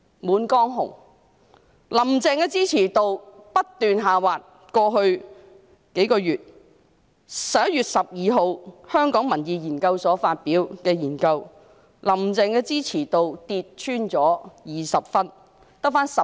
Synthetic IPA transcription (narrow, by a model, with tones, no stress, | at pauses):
muː˨˥nkɔː˥ŋɦʊ̰˨˩ŋ | lɐ˨˩mt͡sɛː˨˧ŋkɛː˧t͡siː˥t͡sʰiː˨˩t̪o˨˧wpɐ˥t̚t̪yː˨nɦaː˨waː˨t̚ | kɔː˧ɦɵ˧ɥ | ke˨˥jkɔː˧jyː˨t̚ | sɐ˨p̚jɐ˥t̚jyː˨t̚sɐ˨p̚jiː˨˧ɦo˨˧whœː˥ŋkɔː˨˥ŋmɐ˨˩njiː˨jiː˨˩nkɐ˧wsɔː˨˥faː˧t̚piː˨˥wkɛː˧jiː˨˩nkɐ˧w | lɐ˨˩mt͡sɛː˧ŋkɛː˧t͡siː˥t͡sʰiː˨˩t̪o˨wt̪iː˧t̚t͡ʃʰyː˥nt͡ʃɔː˨˥jiː˨sɐ˨p̚fɐ˥n | t̪ɐ˥k̚faː˥nsɐ˨